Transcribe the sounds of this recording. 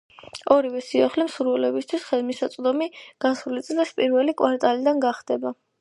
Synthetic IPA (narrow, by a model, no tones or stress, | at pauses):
ɔɾivɛsiaχlɛmsuɾvɛlɛbist̪ʰwisχɛd̪misat̪sʼd̪ɔmiɡ̥asulit̪sʼlɛspʼiɾvɛlikʼwʔaɾt̪ʼalid̪anɡaχd̪ɛba